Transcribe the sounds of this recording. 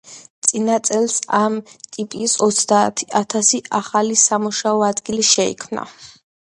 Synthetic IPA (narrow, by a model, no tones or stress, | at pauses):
t̪sʼinat̪sʼɛlˠsamt̪ʼipʼisɔt̪sʰd̪a̰ːt̪ʰiat̪ʰasiʔaχalisamuʃaɔad̪ɡiliʃɛḭkʰmna̰